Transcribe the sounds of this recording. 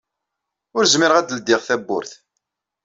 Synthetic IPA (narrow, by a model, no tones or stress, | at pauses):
ʊɾzmɪɾʁæd̪əld̪ːɪʁθæbːʊ̰ɾθ